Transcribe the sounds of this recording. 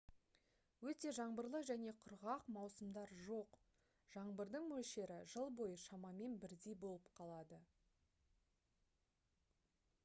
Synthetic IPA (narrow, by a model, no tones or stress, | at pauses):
wɵt̪e̞ʒɑɴbəɾlˠəʒæne̞qʰʊɾʁɑqmɑwsəmd̪ɑɾʒo̞q | ʒ̥ɑɴbəɾd̪əɴmɵlʃe̞ɾɪʒəlˠbo̞jəʃɑmɑme̞nbɪɾd̪e̞jbo̞lˠəpqʰɑlˠɑd̪ə